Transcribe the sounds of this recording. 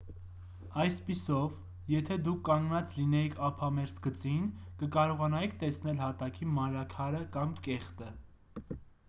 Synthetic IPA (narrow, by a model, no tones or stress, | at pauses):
ɑjspisɔv | jɛt̪ʰɛd̪ukʰːɑŋɡnɑt͡slinɛjikʰɑpʰɑmɛɾsɡət͡sinkəkɑɾɔʁɑnɑjikʰt̪ɛsnɛlhɑt̪ɑkʰimɑnɾɑkʰɑɾəkɑmkɛχt̪ə